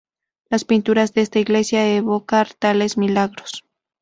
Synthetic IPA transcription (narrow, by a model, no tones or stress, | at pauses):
laspint̪uɾazðeest̪aiɣle̞sjaeβokaɾt̪alesmilaɣɾos